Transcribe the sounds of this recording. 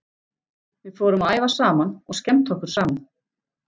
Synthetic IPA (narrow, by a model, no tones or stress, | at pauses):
vɪðfɔːɾʏmaaːjvasaːmanɔɣscɛmt̪ʰɔhkʏɾ̥saːman